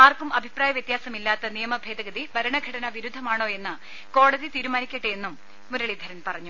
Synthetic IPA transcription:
aːrkumɐbʱipraːjɐʋjet̪jaːsɐmilːaːt̪ːɐnijɐmɐbʱe̞ːðɐɡɐðibɐɾɐɳɐɡʱɐɽɐnɐʋiɾud̪ʱːɐmaːɳo̞ːe̞nːɨ | ko̞ːɽɐðit̪iːɾumaːnikʲːɐʈːɨe̞nːumː | uɾɐɭid̪ʱɐɾɐnpɐrɐɲːu

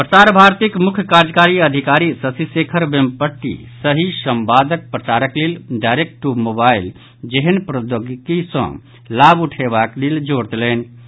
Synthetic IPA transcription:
pɾət͡ʃaɾbʱaːɾt̪ikmʊkʰjəkaɾd͡ʒkaɾiəd̪ʱikaːɾisəsisekʰəɾbempəʈːḭsəɦisəmbaːd̪ək̚pɾət͡ʃaɾəklilɖaɪɾek̚ʈʈumobail | d͡ʒeɦənpɾod̪oɡkisə̰̃ | laːbuʈʰebaklild͡ʒoɽt̪elen

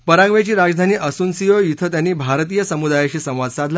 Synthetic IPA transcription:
pəɾãŋɡʋjat͡ɕiːɾad͡zd̪ʱaniːʔəsuːnsijojit̪ʰət̪janːiːbʱaɾt̪iːjəsəmud̪ajaɕiːsə̃w̃ʋad͡z̪sad̪ʱl

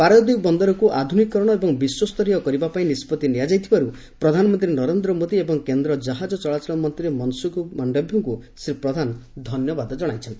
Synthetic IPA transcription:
paɾɔjɔd̪ikbɔnd̪ɔɾɔkuʔad̪ʱunikːɔɾɔɽ̃ɔebɔŋbiswɔst̪ɔɾiɔkɔɾibapaĩnispɔt̪iniad͡ʒajt̪ʰibaɾu | pɾɔd̪ʱanɔmɔnt̪ɾinɔɾend̪ɾɔmod̪iebɔŋkend̪ɾɔd͡ʒaɦad͡ʒɔt͡ʃɔɭat͡ʃɔɭɔmɔnt̪ɾiɾemɔnsukumɔnɖɔbʱjɔŋkusippɾɔd̪ʱand̪ʱɔnjɔbad̪ɔd͡ʒɔɽ̃ajt͡ʃʰɔnt̪i

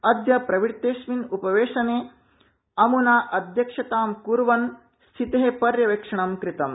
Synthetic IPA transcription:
ɐd̪jɐpɾɐʋiɾt̪eːʃminupɐʋeːʂɐneː | ɐmunaːʔɐd̪ʱjɐkʂɐt̪aːmkuɾʋɐn | st̪ʰit̪ɐɦepɐɾjɐʋekʂɐɳɐmkɾit̪ɐm

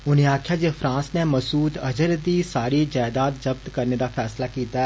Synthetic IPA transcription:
ʊnẽaːkʰjad͡ʒeːfɾãːsneməsuːd̪əd͡ʒəɾd̪isaːɾid͡ʒaːd̪aːt̪̚d͡ʒəb̚t̪kəɾned̪afʰɛːslakiːt̪aɛ

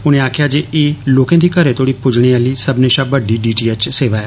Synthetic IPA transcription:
ʊnẽaːkʰjad͡ʒeːeːloːkẽt̪ʰiːkəɾet̪ʰoːɽipʊd͡ʒɽ̃ialisɐbʱneʃãbəɖiɖiːʈiːet͡ʃseːʋaːja

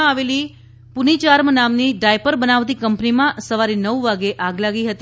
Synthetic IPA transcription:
aʋeli | punit͡ʃaɾmənamniɖajpəɾbənaʋt̪̬ikəmpnimãsəʋaɾinəʋʋaɡeʔaɡlaɡiɦət̪i

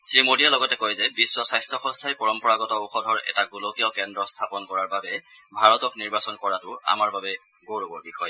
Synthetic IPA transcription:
sɹimodijalɔɡɔtɛkojzɛbisːɔsajstʰɹɔxɔ̃ŋstʰajpɔɹɔmpɔɹaɡɔtɔoxɔdʱɔɹɛ̰taɡulokiɔkɛndɹɔstʰapɔnkɔɹaɹbabɛ | bʱaɹɔtɔkniɹbasɔnkɔɹatʊa̰maɹbabɛ | ɡowɹobɔɹbixɔj

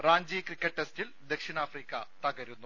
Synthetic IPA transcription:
raːɲd͡ʑiːkrikʲːɐʈːestild̪e̞kʂinaːfriːkʲːɐt̪ɐɣɐɾunːu

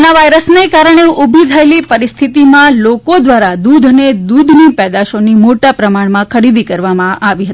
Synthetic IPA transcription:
naʋajɾəsnekaɾəɳ̃eʔubʱit̪ʰaelipəɾist̪ʰit̪imãlokod̪ʋaɾad̪ud̪ʱned̪ud̪ʱnipɛd̪aʃonimoʈapɾəmaɽmãkʰəɾid̪ikəɾʋamãʔaʋiɦət̪ii

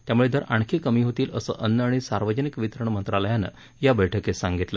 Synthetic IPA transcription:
t̪jamuɭed̪ʱəɾaɳ̃kʰikəmiːɦot̪iːləsə̰ːʔənːəaɽ̃isaɾʋəd͡ʑənikʋit̪ɾəɳmənt̪ɾaləjanə̰ | jabəjʈʰəkesaŋɡit̪lə

